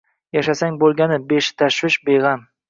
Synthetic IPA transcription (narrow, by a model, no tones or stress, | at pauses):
jaʃasaŋbolˠɡʲanɪbeʃɪ̥t̪ʰaʃwɪʃbeʁam